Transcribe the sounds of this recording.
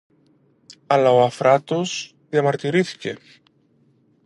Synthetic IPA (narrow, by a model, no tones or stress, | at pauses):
alaoafɾat̪oz̥ | ðjamaɾt̪iɾiθi̥cḛ